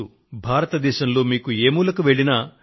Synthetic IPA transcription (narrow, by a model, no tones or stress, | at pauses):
u | bʱaːɾɐt̪ɐd̪ɛːʃɐmlo̞ːmiːkueːmuːlɐkuʋe̞ɭinɐ